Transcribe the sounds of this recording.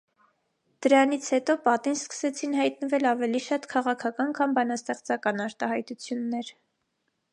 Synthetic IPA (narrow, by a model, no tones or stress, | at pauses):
d̪̥əɾɑnit͡sʰhɛt̪ɔpɑt̪inskə̥sɛt͡sʰinhɑjt̪nəvɛlɑvɛliʃɑt̪kʰɑʁɑkʰɑkɑnkʰɑmbɑnɑst̪ɛχt͡sɑkɑnɑɾt̪ɑhɑjt̪ut͡sʰjunːɛɾ